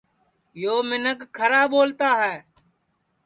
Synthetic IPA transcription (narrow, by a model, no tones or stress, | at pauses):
joːmɪnəkkʰːəɾaːboːlt̪aːɦɛː